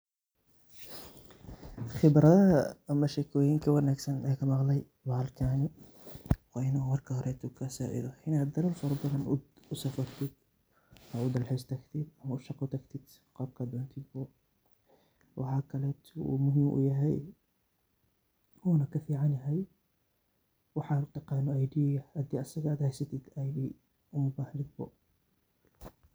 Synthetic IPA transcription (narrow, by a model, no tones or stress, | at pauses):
χɪbɾɐðɐɦɐ̰ːmɐʃɛkʰɔːjɪŋkʰɐwɑnaːɡsɐnɛːkʰɐmɑqlɛj | baːlkʰaːnɪ | wɑɪnɐwɑrkʰɐhɔɾʔɛt̪ʰʊkʰɐsa̰ːʔɪ̰ðɔʔɪnaːd̪ːɐlɐlfɔɾbɐðɐnʊsɐfɐrt̪ʰɪd̪̥̚ | mɐʊd̪ɐlħɪst̪ʰɐkt̪ʰɪd̪ɐmɐʊʃɑqːʊt̪ʰɐkt̪ʰɪd̪̥ | qɑːb̚kʰaːd̪ʊant̪ʰɪd̪̚bɔ | wʔɑħɑːkʰɐlɛːt̪ʰṵmʊɦɪmʔʊ̰jɐɦɛj | huːnɐkʰɐfiːʕɑnjɐɦɛj | wɑħɑːʊt̪ɑqɑːnɔajɖiːjɐhad̪iːɐsɐɣaːd̪hɛjsɐt̪ʰɪd̪ajdiː | ʔʊmʊbaːhnɪd̪̚bɔ̰